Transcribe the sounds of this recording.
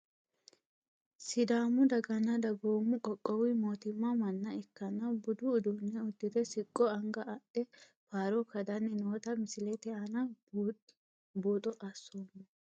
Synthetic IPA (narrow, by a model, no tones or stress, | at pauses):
sɪd̪aːmʊd̪ɐɡɐnɐd̪ɐɡoːmːʊkʼɔkʼːɔwɪmo̞ːt̪ɪmːɐmɐnːɐɛkːɐnɐbʊd̪ʊːd̪unːɛʊd̪ːɪd̪ɛsɪkʼːɔɐŋɡɐʔɐʔɛ | faːɾɔkɐd̪ɐnːɛnoːt̪ɐmɪsɪlɛt̪ɛɐnɐ | boːt̪ʼɔʔɐsːoːmːɔ